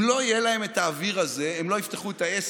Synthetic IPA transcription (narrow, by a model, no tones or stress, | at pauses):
lo̞ijelahe̞metaːviʁaze̞emlo̞ift̪eχuet̪aes